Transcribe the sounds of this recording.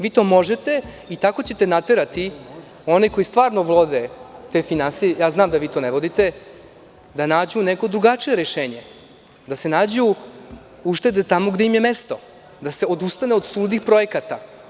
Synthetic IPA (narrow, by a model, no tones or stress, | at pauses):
ʋiːt̪o̞ːmo̞ʒet̪e̞ | it̪ako̞t͡ɕe̞t̪e̞nat̪e̞ɾat̪i | o̞niko̞jist̪vʋaːɾnoʋlˠod̪et̪e̞finansijejaːznaːmd̪aʋiːt̪o̞neʋo̞d̪it̪e̞ | d̪anaːd͡ʑuneko̞d̪ɾuɡat͡ʂijeɾeʃeːɲe̞ | d̪ase̞naːd͡ʑu | uʃt̪e̞d̪et̪amoɡd̪eimjeme̞st̪o̞ | d̪ase̞o̞d̪ust̪aneo̞d̪suːd̪nixpɾo̞je̞kat̪a